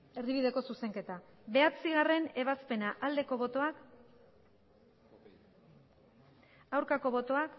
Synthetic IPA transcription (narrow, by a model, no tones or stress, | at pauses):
e̞ɾðiβiðe̞ko̞suse̞ŋke̞t̪aβe̞at͡siɣ̞are̞ne̞β̞aspe̞naʔald̪e̞ko̞β̞o̞t̪o̞ak | awɾkako̞βo̞t̪o̞ak